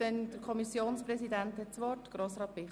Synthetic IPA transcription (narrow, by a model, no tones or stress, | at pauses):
ɛnd̪̥əɾkʰɔmisjoːnspɾɛsidænt̪hɛtt͡sʋɔrtɡ̥ɾoːsɾɑːt̚b̥ɪ